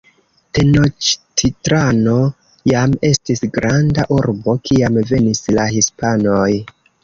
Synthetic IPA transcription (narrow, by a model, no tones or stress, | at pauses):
teno̞t͡ʃtʰitɾano̞ | jame̞stisɡɾʔandaʔuɾbo̞kiamve̞nislahispano̞j